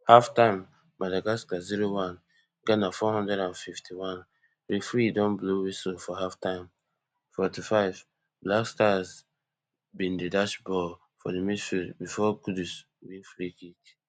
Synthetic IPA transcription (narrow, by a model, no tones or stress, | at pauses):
haftãɪ̃mː | adaɡaskaziɹowãn | ɡɛnafɔhɔ̃ndɹɛdãnfiftʰiwãn | ɾifɹidɔ̃nblowisofɔɦaftãɪ̃m | fɔtifaɪv | blakstaz | bĩndedaʃbɔ | fɔ̰demisfibifɔkudus | wiflikit